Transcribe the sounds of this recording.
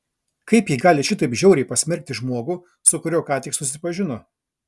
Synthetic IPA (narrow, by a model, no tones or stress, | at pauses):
kɐɪpjiːɡɑːlʲɪʃʲɪt̪ɐɪpʒʲɛʊɾʲɛɪpɐsʲmʲɛɾʲk̚t̪ʲɪʒmuɔɡʊː | sʊkʊɾʲɛʊkɑːt̪ʲɪkssʊsʲɪpɐʒʲɪno